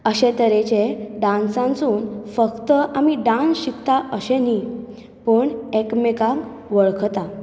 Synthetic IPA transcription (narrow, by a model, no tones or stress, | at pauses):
əɕet̪əɾet͡ɕeɖãnsãnt͡suːnfəkt̪əʔamiɖãnsɕikt̪aʔəɕeni | pəɳekmeka | ʋəɭkʰt̪a